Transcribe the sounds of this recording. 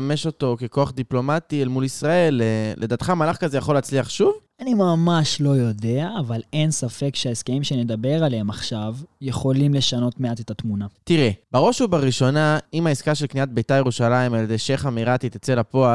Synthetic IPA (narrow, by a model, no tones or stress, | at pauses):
me̞ʃo̞to̞keko̞aχd̪iplo̞matielmulisʁae̞leːʔe̞daːt̪χamalaχkazejaχo̞laːt͡sliaχʃuv | animamaʃlo̞jo̞de̞aːvalensafekʃeaiskeimʃened̪abe̞ʁalehemaχʃavjeχo̞limle̞ʃano̞tmeatetatmunat̪iʁebeʁo̞ʃubaʁiʃo̞naimaiskaʃe̞lkniat̪̚bejtajeʁuʃalaimaledeʃeχamiʁat̪it̪et͡se̞lapo̞a